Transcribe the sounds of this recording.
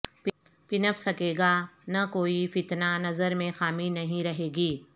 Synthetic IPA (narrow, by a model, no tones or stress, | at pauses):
p | pɪnəpsɐkeːɡaːnakoːifɪt̪nanɐzəɾmẽxaːminɐɦĩɾɐɦeːɡiː